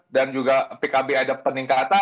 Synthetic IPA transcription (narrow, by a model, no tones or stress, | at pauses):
dand͡ʒuɡapekabeadapəniŋkat̪a